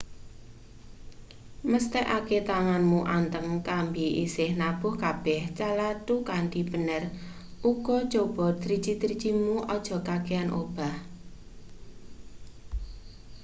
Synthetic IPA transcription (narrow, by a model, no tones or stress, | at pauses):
məst̪ɛʔaket̪aŋanmuʔant̪əŋkambiʔḭsɪhnab̥ʊ̤hkab̥ɛht͡ʃalat̪ukaɳɖib̥ənər | ʔuɡ̥ɔ̥t͡ʃob̥ɔd̪̥ɾi̥d͡ʒid̪ɾi̥t͡ʃimuʔɔd̥ʒ̥ɔ̤kakeanʔob̥a̤h